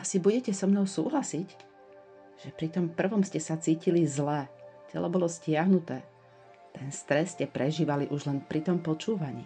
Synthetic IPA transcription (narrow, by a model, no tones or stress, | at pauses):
asibuɟɛcɛsɔmnɔʊsṵːɦlasic | ʒ̥ɛpɾit̪ɔmpr̩ʋɔmscɛsat͡siːcilizlɛcɛ̰lɔbɔlɔscɪaɦnut̪ɛː | t̪ɛnst̪ɾɛsːcɛpɾɛʒiːʋaliʔuʒlɛnpɾit̪ɔmpɔt͡ʃuːʋaɲḭː